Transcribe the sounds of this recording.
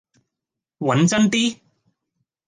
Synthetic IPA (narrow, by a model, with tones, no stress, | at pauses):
wɐ˨˥nt͡sɐ˥nt̪iː˥